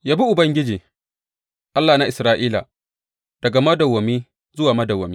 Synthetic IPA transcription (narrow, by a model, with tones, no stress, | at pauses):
jaː˦bi˦ʔʊ˨bɐ˦ŋɡʲɪ˦d͡ʒiː˨ | ʔa˦lːaː˨na˦ʔɪ˨sɾaː˦ʔiː˦la̰˨ | d̥ɐ˨ɡa˨mɐ˦dɐ˨wːɐ˨miː˦ | zʊ˦waː˨mɐ˦dɐ˨wːɐ˨miː˦